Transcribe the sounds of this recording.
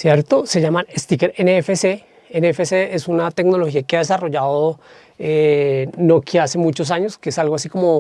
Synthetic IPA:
sjeɾt̪o̞se̞ʝamanest̪ikeɾeneefese | eneefeseesunat̪e̞kno̞lo̞xiakeað̞e̞saro̞ʝaðo | enokjiase̞mut͡ʃo̞s̬aɲoskeesalɣoas̬iko̞mo̞

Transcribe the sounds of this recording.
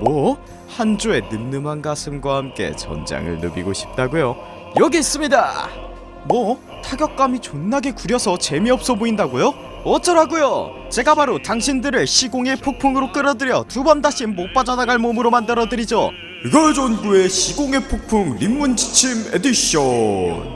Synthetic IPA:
mwʌ | hand͡ʑoe̞nɯmnɯmanɡasʰɯmɡwahamk͈e̞̰t͡ɕʌ̰nd͡ʑa̰ŋɯ̰ɭnɯ̰bḭɡoɕʰi̥p̚t͈aɡojo | jʌɡiːs͈ɯmɲida̰ | mwʌ | tʰaɡjʌk̚k͈amit͡ɕonːaɡe̞kuɾjʌsʰʌt͡ɕe̞miʌp̚s͈ʌboindaɡojo | ʌt͡ɕ͈ʰʌɾaɡojo | t͡ɕe̞ɡapaɾotaŋɕʰindɯɾɯɭɕʰiɡoŋe̞pʰok̚pʰuŋɯɾok͈ɯɾʌdɯɾjʌtubʌndaɕʰimːop͈ad͡ʑʌnaɡaɭmomɯɾomandɯɾʌdɯɾid͡ʑo | iɡʌɭd͡ʑonɡue̞ɕʰiɡoŋe̞pʰok̚pʰuŋɾimːund͡ʑi̥t͡ɕʰimediɕʌn

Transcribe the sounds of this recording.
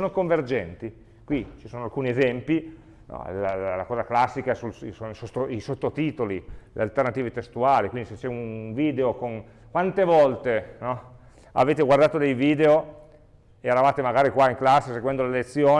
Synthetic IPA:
onokoɱverd͡ʒɛnt̪i | kwit͡ʃisoːnoalkuːniezɛmpi | nɔ̰lllːakɔːzaklasːikasulsonoisot̪ːoisot̪ːot̪iːt̪olilḛalt̪ernat̪iːvet̪est̪uaːlikwind̪iset͡ʃɛunviːd̪eokon | kwant̪evɔlt̪enɔ | a̰veːt̪eɡward̪aːt̪od̪ejviːd̪eo | eɾavaːt̪emaɡaːɾikwaiŋklasːeseɡwɛnd̪olelet̪sːjoː

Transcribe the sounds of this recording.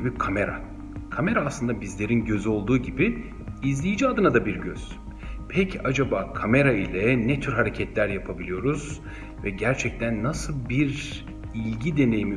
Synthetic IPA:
bikʰame̞ɾa̰ | kʰame̞ɾaːslˠɯnd̪abizlʲe̞ɾinɟø̞zyo̞lˠd̪uːɟibi | izlʲijid͡ʒiad̪ɯnad̪abiɾɟø̰z̥ | pʰɛcʰad͡ʒabaːkʰame̞ɾailʲɛnɛt̪ʰyɾɦaɾe̞cʰɛt̪ʰlʲæɾjapʰabilʲijo̞ɾuz̥ | vɛɟæɾt͡ʃʰɛc̚t̪ʰænːasɯlˠbiɾ | ilʲɟid̪e̞ne̞jimi

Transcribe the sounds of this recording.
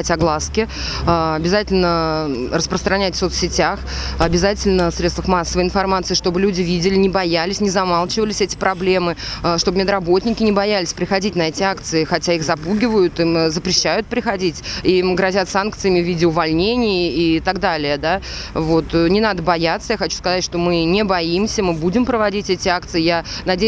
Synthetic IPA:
tʲɐɡlˠaskʲɪ | aɐbʲɪzatʲɪlʲnərəspɾəst̪ɾɐnʲætʲfso̞t̪sʲːɪtʲaxɐbʲɪzatʲɪlʲnəfsɾʲet̪vəfmasːəvəɪnfɐrmat̪sɨːʂt̪o̞bɨlʲudʲɪvʲidʲɪlʲɪnʲɪbɐjalʲɪsʲnʲɪzɐmalˠt͡ɕɪvəlʲɪsʲɛtʲɪ̥pɾɐblʲe̞mɨʂt̪o̞bəmʲɪd̪rɐbo̞t̪ʲnʲɪkʲɪnʲɪbɐjalʲɪsʲpɾʲɪxɐdʲitʲnɐɛtʲɪakt̪sɨɪxɐtʲaixzɐpuɡʲɪvəjʊt̪imzəpɾʲɪɕːajʊt̪̚pɾʲɪxɐdʲitʲimɡɾɐzʲat̪sank̚t̪sɨjəmʲɪvʲidʲɪʊvɐlʲnʲenʲɪjit̪aɡd̪alʲɪjəd̪a | vo̞t̪nʲɪnad̪əbɐjat̪səjaxɐt͡ɕu̥skɐzatʲʂt̪o̞mɨnʲɪbɐimsʲəmɨbudʲɪmpɾəvɐdʲitʲɛtʲɪak̚t̪sɨɪjanɐdʲe

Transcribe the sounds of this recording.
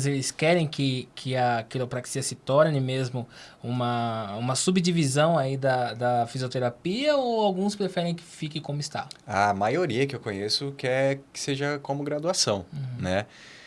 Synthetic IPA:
zelɪskɛɾẽj̃kʰɪkʰɪɐkilɐpɾaksiɐsɪt̪ɔɾnɪ̃mezmʊũmɐũmɐsubd͡ʒivizɐ̃w̃aid̪ɐd̪ɐfiziot̪eɾapiɐowawɡũspɾefɛɾẽj̃kɪ̥fikɪkõmʊɪst̪a̰amajoɾiɐkɪewkõɲesʊkɛɾkɪ̥seʒɐkõmʊɡɾad̪uasɐ̃w̃nɛ

